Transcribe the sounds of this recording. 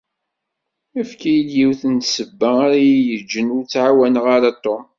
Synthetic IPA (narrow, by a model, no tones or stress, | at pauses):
æfkæjid̪jiwθənt̪səbːæaɾajijəd͡ʒːənʊɾt͡sːʕawænʁaɾɑt̪ˤːo